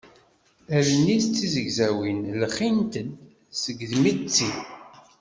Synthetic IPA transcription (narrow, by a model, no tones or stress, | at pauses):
ævənːiθt͡sːizəɡzæwinlχint̪ən | səɡðmit͡sːi